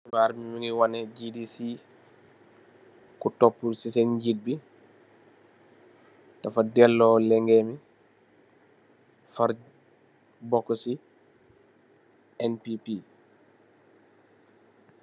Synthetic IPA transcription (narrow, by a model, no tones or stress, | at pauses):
iwaɾmimiŋɡiwanɛd͡ʒidisi | kutɔpːulsisɛnɲɟid̚bi | tafadɛlːɔlɛŋɡɛmi | faɾ | bɔkːɔsi | ɛnpipi